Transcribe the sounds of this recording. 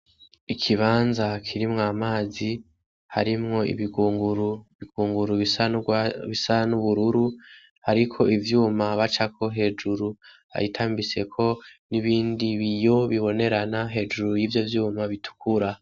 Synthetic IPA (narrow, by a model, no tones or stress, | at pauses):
ikʰiβaːnzakʰiɾimŋaːmaːzi | ha̰ɾimŋo̞ḭβiɡuːŋɡuɾuβiɡ̥uːŋɡuɾuβi | βisanuβuɾuɾu | haɾikʰo̞ivjuːmaβat͡ʃakʰo̞ɦe̞ːd͡ʒuɾu | ha̰itʰaːmbise̞kʰo̞niβiːndiβijo̞βiβo̞ne̞ɾanaɦe̞ːd͡ʒuɾujivjo̞vjuːmaβitu̥kʰuɾa